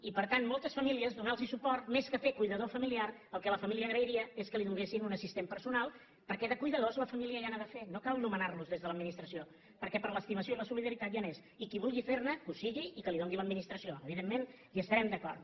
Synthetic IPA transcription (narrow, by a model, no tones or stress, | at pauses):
ipəɾt̪anmːɔlˠt̪əsfəmiliəzðunalˠzisupɔrt̪meskəfekujðəðofəmiliaɾəlˠkɛləfəmiliəːɣɾəiɾiəeskəliðuŋɡesinunəsist̪empəɾsunalˠ | pəɾkɛðəkujðəðozləfəmiliəianaðəfenokalˠnumənarluzðezðələd̪minist̪ɾəsio | pəɾkɛpəɾləst̪iməsijoləsuliðəɾit̪at̪ʒanes | ikiβulˠɣifernəkusiɣiːkəliðoŋɡiləd̪minist̪ɾəsioəβiðemːen | iəst̪əɾɛmd̪əkɔ̰rt̪